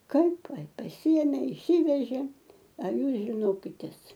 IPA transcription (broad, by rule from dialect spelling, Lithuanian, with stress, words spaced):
ˈkɐɪp pɐsʲɪˈeːmʲeː ɪʃʲˈsʲɪʋʲɛʒʲeː ɐ ˈjuːs ʒʲɪˈnoːkʲɪtʲeːs